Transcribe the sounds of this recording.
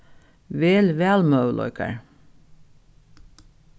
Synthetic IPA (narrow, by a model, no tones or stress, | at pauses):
ʋeːlʋæːlmœʉlʔɔ̰ʏkʰə̰ɹ